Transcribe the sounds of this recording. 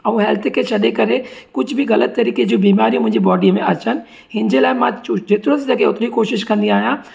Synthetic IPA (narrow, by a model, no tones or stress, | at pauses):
ɐʋũɦɛːlt̪ʰeket͡ʃʰɐɗekɐɾekʊt͡ʃʰbʱiɣɐlət̪ːɐɾiːked͡ʒobiːmaːɾijõmʊ̃ɦɪ̃ɲd͡ʒibɔːɖijmẽat͡ʃən | ɦɪ̃nd͡ʒelaːemãd͡ʒet̪ɾõsed͡ʒɐkeʊt̪ɾiikoːʃɪʃkɐ̃nd̪iaːjãː